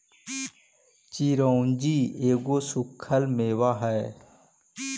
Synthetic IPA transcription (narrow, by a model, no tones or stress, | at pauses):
t͡ʃiɾoːnd͡ʒiːeːɡoːsʊkʰːəlmeːwaːɦɛe